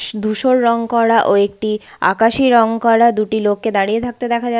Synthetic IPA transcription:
ʃd̪ʱuʃoɾːɔŋkɔɽaʔoek̚ʈi | a̰kaʃiɾɔŋkɔɽad̪uʈilokːed̪aɽijet̪ʰak̚t̪ed̪ɛkʰad͡ʑa

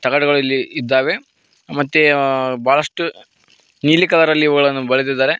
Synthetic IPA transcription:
t̪ɐɡɐɽɐɡɐɭɐlːiid̪ːaːʋe | mɐt̪ːebaːɭɐʂʈu | niːlikɐlɐɾɐlːiːʋɐɡɐɭɐnːubɐɭed̪id̪ːaːɾe̞

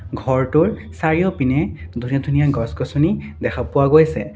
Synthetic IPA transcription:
ɡʱɔɹtʊɹsaɹijɔpinɛdʱunijɔdʱunijaɡɔsɡɔsunidɛxʰapʊwaɡojsɛ

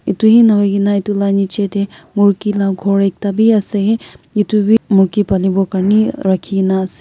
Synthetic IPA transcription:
it̪uɦinɐʋɐɡinait̪ulanit͡ʃet̪emuɽkilaɡʱoːɽek̚t̪abʱiɐseɦeit̪ubʱimukipɐlibokɐɾniɾɐkʰiinaɐse

